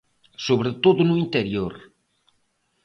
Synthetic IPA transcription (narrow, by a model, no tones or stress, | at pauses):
soβɾet̪oðʊnʊint̪eɾjoɾ